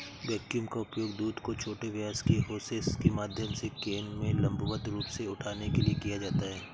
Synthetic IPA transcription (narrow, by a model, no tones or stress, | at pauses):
bɛːkjuːmkaʊpjoːɡd̪uːd̪kot͡ʃʰoːʈeʋaːskeɦoːseskemaːd̪ʱjəmsekeːnmẽlɐ̃mbʱuʋət̪ɾuːpseʊʈʰaːnekeliekijad͡ʒaːt̪aɦɛː